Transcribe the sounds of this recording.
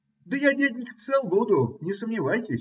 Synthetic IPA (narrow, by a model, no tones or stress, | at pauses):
d̪əjadʲædʲnʲɪk̪sɛlˠbud̪ʊnʲɪsəmnʲɪvajtʲɪsʲ